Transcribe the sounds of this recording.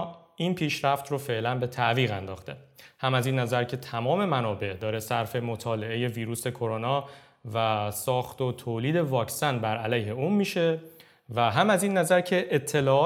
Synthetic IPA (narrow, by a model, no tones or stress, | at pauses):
iːnpʰiːʃɾæft̪rofe̞ʔlænbe̞t̪ʰæʔviːɣænd̪ɒːxt̪e̞hæmæziːnːæzæɾcʰe̞t̪ʰæmɒːme̞mænɒːbe̞ʔd̪ɒːɾe̞sæɾfe̞mot̪ʰɒːle̞ʔe̞je̞viːɾuːse̞kʰo̞ɾonɒː | væsɒːxt̪ot̪ʰoːliːd̪e̞vɒːcsænbæɾælæjhe̞uːmmiːʃe̞ | væɦæmæzinːæzæɾcʰe̞ʔːt̪ʰːe̞lɒːɒː